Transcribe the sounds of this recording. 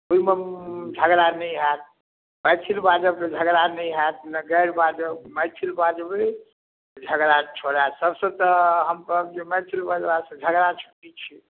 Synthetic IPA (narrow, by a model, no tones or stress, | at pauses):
uimed͡ʒʱəɡɾanəɦat̪̚ | məjt͡ʃʰilbad͡ʒəbked͡ʒʱəɡɾanəjɦɛt̪̚nəɡəɾbad͡ʒəb̚məjtʰilbad͡ʒəbe | d͡ʒʱəɡɾat͡ʃʰoɾasəbsə̃t̪əɦəmpəbd͡ʒemətʰilbad͡ʒbasə̃d͡ʒʱəɡɾat͡ʃʰo̥ʈit͡ʃʰi